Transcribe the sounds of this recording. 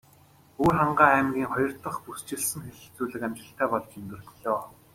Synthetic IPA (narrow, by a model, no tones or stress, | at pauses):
urχaɴɢaːæːmɡʲiːŋχɔjɞ̆rt̪ə̆χpust͡ɕɪ̆ɮsɘ̆ŋxeɮɘ̆ɬt͡suːɮɘ̆kamʲt̪ə̆ɬt̪ʰæːpɔɮt͡ɕɵnt̪ɘ̆rɮɮɔː